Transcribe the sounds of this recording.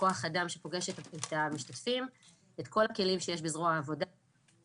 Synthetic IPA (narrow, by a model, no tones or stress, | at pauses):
o̞aχadamʃepo̞ɡe̞ʃetetamiʃtatfim | et̪ko̞lake̞limʃejeʃbizʁoaːvo̞da